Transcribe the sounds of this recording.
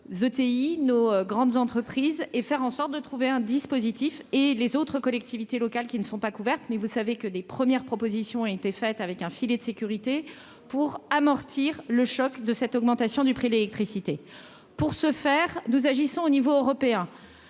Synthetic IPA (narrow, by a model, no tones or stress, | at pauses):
zot̪einoɡʁɑ̃d̪zɑ̃t̪χəpχizefɛʁɑ̃sɔʁt̪̚d̪ət̪χuveɛ̃d̪ispozit̪ifelezot̪χəkɔlɛk̚t̪ivit̪elɔkalkʲinəsɔ̃pakuvɛʁt̪mɛvusavekəd̪epχəmjɛʁpχɔpozisjɔ̃ɔ̃et̪efɛt̪avɛkɛ̃filed̪əsekʲyʁit̪e | puʁamɔʁt̪ʰiʁləʃɔkd̪əsɛt̪ɔɡmɑ̃t̪asjɔ̃d̪ypχid̪lelɛk̚t̪χisit̪e | puʁsəfɛʁnuzaʒisɔ̃onivoøʁɔpeɛ̃